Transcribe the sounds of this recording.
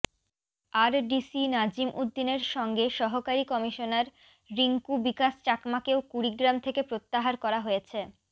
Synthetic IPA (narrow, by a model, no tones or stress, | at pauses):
aɾɖisinad͡ʑimʔud̪ːineɾʃɔŋɡeʃɔɦokaɾikɔmiʃonaɾ | ɾiŋkubikast͡ɕakmakeokuɾiɡɾamt̪ʰekepɾot̪ːaɦaɾkɔɾaɦojet͡ɕʰe